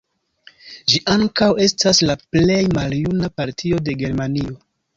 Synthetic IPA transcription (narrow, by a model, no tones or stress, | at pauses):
ʒiʔaŋkawe̞staslaple̞jmaljunapaɾtʰio̞de̞ɡe̞ɾmanio̞